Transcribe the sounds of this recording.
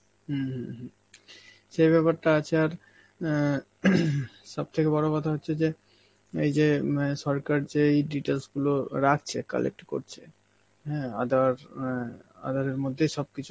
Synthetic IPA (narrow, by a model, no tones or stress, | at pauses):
ɦɦɦ | ʃejbɛpaɾʈaat͡ɕʰeaɾ | ʃɔb̚t̪ʰekebɔɽokɔt̪ʰaɦotːɕʰed͡ʑe | ḛjd͡ʑeʃɔɾkaɾd͡ʑeejɖiʈelsɡuloɾak̚ʰt͡ɕʰeka̰lḛk̚ʈiko̰ɾt͡ɕʰe | ɦɛ̃a̰d̪aɾ | a̰d̪aɾeɾmod̪ʱːejʃɔb̚kit͡ɕʰu